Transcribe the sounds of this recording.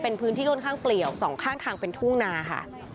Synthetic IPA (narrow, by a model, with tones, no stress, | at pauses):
pe˧npʰɯː˦˥t̪ʰiː˥˩kʰɔ˥˩ŋkʰaː˥˩ŋpli˨˩əwsɔː˩˦ŋkʰaː˥˩ŋt̪ʰaː˧ŋpe˧nt̪ʰu˥˩ŋnaː˧kʰa̰˥˩